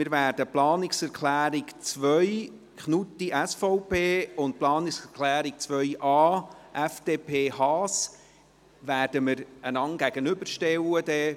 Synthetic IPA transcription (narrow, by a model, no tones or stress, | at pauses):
mɪːɾvæːɾd̥əplɑːnɪksɛɾkʰlæːɾɪkt͡svœʏ | kχnut̪ːiʔæsfɔʊpʰeːʊnt̚plɑːniksɛɾkʰlæːɾik̚t͡sʋœɥʔɑːʔæfd̥eːpʰeːhɑːs | væːrd̥əmɪɾənɑŋɡ̥æɡ̥ənʏbəɾʃtɛwəd̥̪ɛ